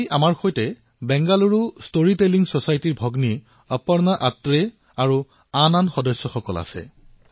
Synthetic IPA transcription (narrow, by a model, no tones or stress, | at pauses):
ʔamaɹxojtɛ | bɛŋɡaluɹustoɹiteliŋsɔsajtiɹbʱɔɡni | ɔpɔɹnaʔatɹe | aɹu | ananxɔdɔsːɔxɔkɔla̰sɛ̰